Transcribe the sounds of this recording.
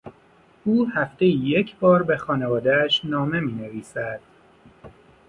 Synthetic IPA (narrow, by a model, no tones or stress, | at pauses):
ʔuːhæft̪e̞jijecʰbɒːɾbe̞xɒːne̞vɒːd̪eæʃnɒːme̞miːne̞viːsæd̪̥